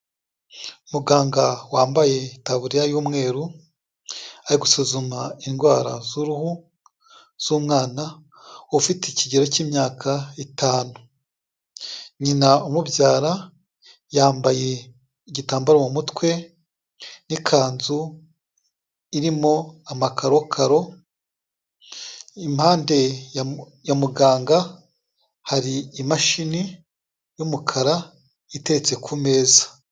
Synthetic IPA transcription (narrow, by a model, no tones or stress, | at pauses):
umuɡaːŋɡawaːmbaje̞taβuɾijajuːmŋe̞ːɾu | aɾiɡusuzumainɡwaːɾa̰zuɾuhu | z̥uːmŋaːna | ufiteciɟe̞ɾo̞ciːmɲaːkʰaitaːnu | ɲinaumubjaːɾa | jaːmbaje̞ | iɟitaːmbaɾamumutwe̞ | nikʰaːnzu | iɾimo̞amakʰaɾo̞kʰaɾo̞ | imhaːnde̞ | jamuɡaːŋɡa | haɾiːmaʃini | jumukʰaɾa | ite̞ɾet͡se̞kʰume̞ːzḁ